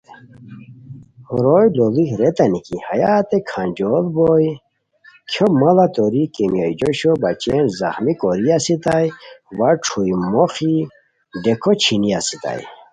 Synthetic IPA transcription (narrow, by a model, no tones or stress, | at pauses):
huɾojlolixɾet̪ɐnikihajaːt̪ekʰand͡ʑolboj | kʰjomɐlat̪oɾikemijajd͡ʑoɕobat͡ɕenza̰xmikoɾiasit̪ajwaʈ͡ʂʰujmoxi | ɖekʰot͡ɕʰiniasit̪a̰j